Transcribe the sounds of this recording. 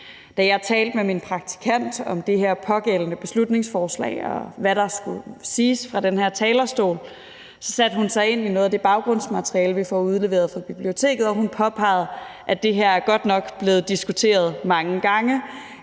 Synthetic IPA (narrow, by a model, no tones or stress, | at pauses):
d̥æjɑ̈ɪt͡sʰɛːld̥̚meminpʰʁɑ̈ɡ̥̚t͡sʰi̥kʰæn̰d̥ɒ̽md̥e̝ɦeɐ̰pʰɒ̽ɡ̥el̰ənəb̥e̝slud̥ne̝ŋsfɒːslɛ̰ɪɒ̽ʋæɾ̥ɑ̈sɡ̥usiːsfʁɑ̈d̥enheɐ̰t͡sʰɛːlɐsd̥o̝̰ːl | sɒ̽sæd̥əhunsɑ̈ɪe̝n̰ino̽ːð̞ˠd̥e̝b̥ɑ̈ʊɡ̥ʁɔ̽n̰smæt͡sʰʁiɛːləʋifɒuð̞ˠle̝ʋe̝̰ɐðˠfʁɑ̈b̥ib̥lio̝t͡sʰe̝̰ːɡ̥ð̩ˠɒ̽hunpʰɒ̽pʰɑ̈ɪð̞̩ˠʔæd̥e̝ɦeɐ̰æɐɡ̥ɒ̽d̥nɒ̽ɡ̥b̥le̝ːð̞̩ˠd̥isɡ̥ut͡sʰe̝̰ːɐð̞ˠmɑ̈ŋəɡ̥ɑ̈ŋə